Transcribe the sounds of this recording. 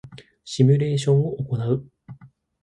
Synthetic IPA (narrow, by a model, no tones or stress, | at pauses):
ɕimʲɯɾe̞ːɕõ̞ɰ̃oʔoko̞naɯ̟